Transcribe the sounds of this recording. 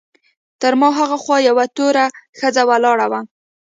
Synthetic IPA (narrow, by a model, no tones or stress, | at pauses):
t̪əɾmɑɦaɣaxwɑjawat̪oɾaxəd͡zawalɑɽawa